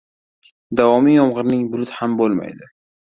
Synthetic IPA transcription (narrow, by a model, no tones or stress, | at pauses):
d̪avɒmijɒmʁɨɾnɪŋbʊlʊt̪hambolˠma̰jd̪ɪ